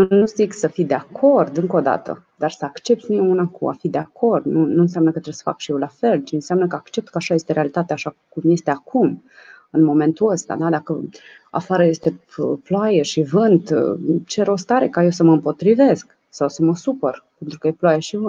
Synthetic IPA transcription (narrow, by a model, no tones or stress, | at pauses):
nuziksəfid̪e̞akʰo̞rd̪ɨŋko̞d̪a̰t̪ə̰ | d̪arsəakt͡ʃe̞p̚t̪sʲnimeunakʰṵa̰fid̪e̞akʰo̞rd̪nunuɨns̬jamnəkət̪ɾesə̥fa̰kʃijewlafe̞lt͡ʃiɨnseamnəkəakt͡ʃe̞p̚t̪̚kəaʃaje̞st̪eɾealit̪at̪eaʃakumje̞st̪e̞akʰum | ɨnmo̞mẽ̞nt̪uəst̪a̰d̪ad̪akə | a̰faɾəje̞st̪e̞ploajeʃivɨnd̪t͡ʃe̞ɾo̞st̪aɾe̞kajewsəməɨmpo̞t̪ɾive̞sk | sawsəməsupərpent̪ɾukəjeploajeʃivɨn